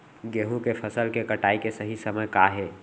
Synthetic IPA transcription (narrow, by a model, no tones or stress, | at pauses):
ɡeːɦũkepʰəsəlkekɐʈaːikesɐɦisɐməjkaɦeː